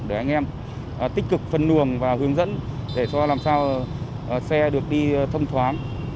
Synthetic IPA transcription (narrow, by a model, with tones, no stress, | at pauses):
ɗɨ˧˨˩ʔa˧jŋ̟ʔɛ˧mː˨˩ | t̪ï˦˥k̟̚kɨ˨˩k̚fə˨˩nːɨ˨˩əŋvaː˨˩ɦɨ˨˦əŋzə̰˧˥nɗe˧˩t͡ɕɔ˧laː˨˩msaː˧w | sɛ˧ɗɨ˨˩ək̚ɗi˧t̪ʰə˧wŋ͡mt̪ʰwaː˨˦ŋ